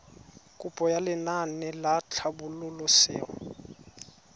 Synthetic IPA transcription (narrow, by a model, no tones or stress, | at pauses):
kʼʊpʼɔjalɪnanɛlat͡ɬʰabʊlʊlɔsɪ̰ːɔ